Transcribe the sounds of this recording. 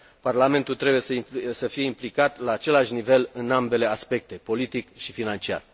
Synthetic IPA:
parlame̞nt̪ult̪ɾe̞bujesəisəfije̞implikat̪laːt͡ʃe̞laʃnive̞lɨnambe̞le̞aspe̞k̚t̪e̞po̞lit̪ikʃifinant͡ʃia̰r

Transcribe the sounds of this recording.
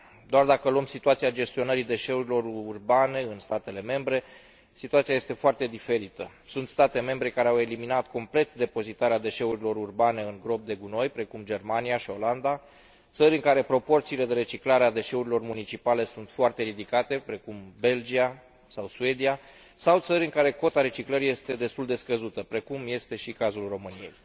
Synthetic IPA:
d̪oard̪akəloomsit̪uat̪siad͡ʒe̞st̪io̞nəɾid̪e̞ʃe̞uɾilo̞ɾurbane̞ɨnst̪at̪e̞le̞me̞mbɾe̞ | sit̪uat̪siaje̞st̪e̞foart̪e̞d̪ife̞ɾit̪ə | sunt̪st̪at̪e̞me̞mbɾe̞kaɾeawe̞liminat̪ko̞mple̞t̪d̪e̞po̞zit̪aɾead̪e̞ʃe̞uɾilo̞ɾurbane̞ɨŋɡɾo̞p̚d̪e̞ɡuno̞jpɾe̞kumd͡ʒe̞rmaniaʃio̞land̪a | t̪səɾʲɨŋkaɾe̞pɾo̞po̞rt̪siːle̞d̪e̞ɾe̞t͡ʃiklaɾead̪e̞ʃe̞uɾilo̞rmunit͡ʃipale̞sunt̪foart̪e̞ɾid̪ikat̪e̞pɾe̞kumbe̞ld͡ʒia | sawsue̞d̪ia | sawt̪səɾʲɨŋkaɾe̞ko̞t̪aɾe̞t͡ʃikləɾije̞st̪e̞d̪e̞st̪uld̪e̞skəzut̪əpɾe̞kumje̞st̪e̞ʃikazulro̞mɨnije̞̰j

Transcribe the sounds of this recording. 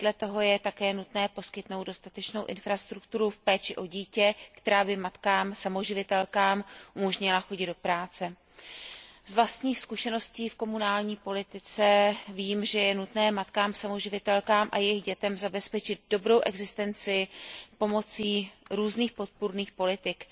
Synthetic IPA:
dlɛt̪o̞ɦo̞jɛt̪akɛːnut̪nɛːpo̞skɪt̪no̞wd̪̚do̞st̪at̪ɛt͡ʃno̞wʔɪnfɾast̪ɾukt̪uɾufpɛːt͡ʃɪʔo̞ɟiːcɛkt̪ɛɾaːbɪmat̪kaːmsamoʒɪvɪt̪ɛlkaːmʔumoʒɲɪlaxo̞ɟɪd̪do̞pɾaːt͡sɛ | zvlast̪ɲiːxskuʃɛno̞sciːfko̞munaːlɲiːpo̞lɪt̪ɪt͡sɛviːmʒɛjɛnut̪nɛːmat̪kaːmsamo̞ʒɪvɪt̪ɛlkaːmʔa̰jɛjɪɣɟɛt̪ɛmzabɛspɛt͡ʃɪd̪̚do̞bɾo̞wʔɛɡzɪst̪ɛnt͡sɪpo̞mo̞t͡siːɾuːzniːxpo̞t̪̚puɾniːxpo̞lɪt̪ɪk

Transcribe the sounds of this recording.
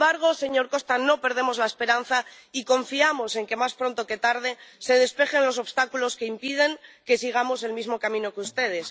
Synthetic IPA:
aɾɣ̞o̞se̞ɲo̞ɾko̞st̪ano̞pe̞ɾðe̞mo̞zlaespe̞ɾan̟θa | iko̞ɱfiamo̞se̞ŋke̞maspɾo̞nt̪oke̞t̪aɾð̞e̞se̞ðe̞spe̞xe̞nlo̞so̞βst̪akulo̞ske̞impið̞e̞ŋke̞siɣ̞amo̞se̞lmizmo̞kamĩno̞keust̪e̞ð̞e̞s

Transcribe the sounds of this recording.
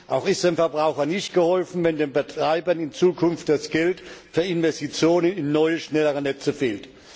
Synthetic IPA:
ʔaʊxɪstd̥aɪnfɛɐbʁaʊxɐnɪçtɡ̥əhɔlfn̩vɛndeːnbətʁ̥aɪbɐnɪnt͡suːkʰʊnftd̥asɡ̥ɛltfyːɐɪnvɛstit͡sjoːnənɪnːɔʏəʃnɛləʁənɛt͡səfeːlt

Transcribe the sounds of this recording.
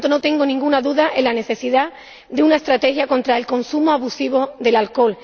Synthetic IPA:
t̪ono̞t̪e̞ŋɡonĩŋɡunaðuðaʔelane̞θe̞siða | d̪eunae̞st̪ɾat̪e̞xjako̞nt̪ɾaelko̞nsumoaβusiβ̞o̞ðe̞lalko̞l

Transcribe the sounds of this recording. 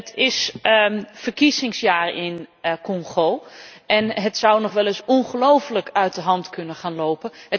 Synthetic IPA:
ətʰɪs | fərkisɪŋsjaːrɪnkɔŋχowʔɛnɦətsʌwnɔχʋɛlɪsɔnχəlowfələkœɥt̚dəɦɑntkɵnəχaːnlowpəə

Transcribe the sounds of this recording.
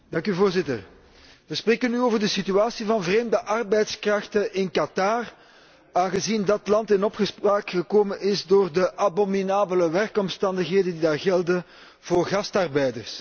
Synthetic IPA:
d̥ɑŋkyvoːrzɪtər | ʋəspreːkənyoːvərdəsityaːsivɑnvreːmdəʔɑrbɛjtskrɑxtəɪnkatar | aːnɣəzindɑtlɑntɪnɔpxəspraːkxəkoːmənɪzdoːrdəʔabominaːbələʋɛrkɔmstɑndəxɦeːdəndidaːrɣɛlˠdə | v̥oːrɣɑstɑrbɛjdərs

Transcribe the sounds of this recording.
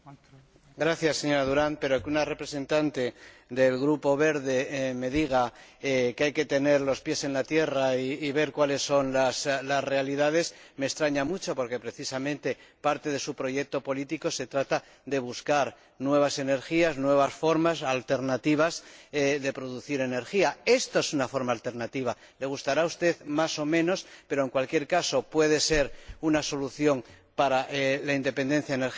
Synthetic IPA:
ɡɾaθjasːe̞ɲo̞ɾaðuɾanpe̞ɾokeunare̞pɾe̞se̞nt̪ant̪e̞ | ðe̞lɣɾupo̞βe̞ɾðe̞me̞ðiɣ̞aekeajke̞t̪e̞ne̞ɾlo̞spje̞se̞nlat̪je̞raiːβe̞ɾkwale̞sːo̞nlaslasre̞aliðaðe̞sme̞ːkst̪ɾaɲamut͡ʃo̞po̞ɾke̞pɾe̞θisamẽnt̪e̞paɾt̪e̞ðe̞supɾoʝe̞k̚t̪o̞po̞lit̪iko̞se̞t̪ɾat̪a | ðe̞β̞uskaɾ | nwe̞β̞ase̞ne̞ɾxiaznwe̞β̞asfo̞ɾmasalt̪e̞ɾnat̪iβ̞azeðe̞pɾo̞ðuθiɾe̞ne̞ɾxiae̞st̪oesunafo̞ɾmaːlt̪e̞ɾnat̪iβ̞a | le̞ɣ̞ust̪aɾaust̪e̞ðmaso̞mẽ̞no̞spe̞ɾoeŋkwalkje̞ɾkaso̞pwe̞ð̞e̞se̞ɾunaso̞luθjoŋ | paɾaʔelaind̪e̞pe̞nd̪e̞n̟θjaeneɾ

